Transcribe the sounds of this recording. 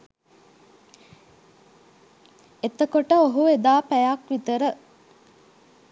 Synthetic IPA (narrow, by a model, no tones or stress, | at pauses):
et̪əkoʈəoɦued̪aːpæjakʋit̪əɾə